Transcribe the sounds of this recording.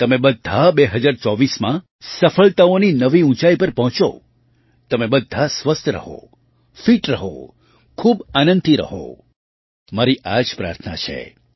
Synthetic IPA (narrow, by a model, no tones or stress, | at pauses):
t̪əmebəd̪ʱːabeɦəd͡ʒaɾt͡ʃɔʋismã | səfəɭt̪aoninəʋiũt͡ʃaipəɾpɔɦt͡ʃo̰ | t̪əmebəd̪ʱasʋəst̪ʰəɾə̰ɦo̰ | fiʈɾəɦo̰ | kʰubanə̃nd̪iɾə̰ɦo̰ | maɾiʔad͡ʒpɾa̰ɾt̪ʰna̰t͡ʃʰḛ